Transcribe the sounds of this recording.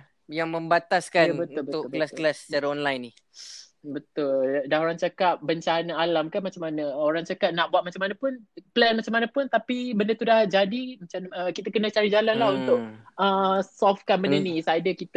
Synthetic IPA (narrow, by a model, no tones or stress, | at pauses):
jaŋmə̃mbat̪askanbət̪ʊlbət̪ʊklasklast͡ʃaɾaɔnlajnːi | bət̪ʊldahoɾaŋt͡ʃakap̚bəɲt͡ʃanaalamkanmat͡ʃamanəoɾaŋt͡ʃakap̚naʔbuat̪̚mat͡ʃamanapʊnpəlɛnmat͡ʃamanapʊnt̪apibəndət̪udahd͡ʒadimat͡ʃanəkit̪əkənət͡ʃaɾid͡ʒalalaunt̪ʊʔəsɔfkanbəndənisajdəkit̪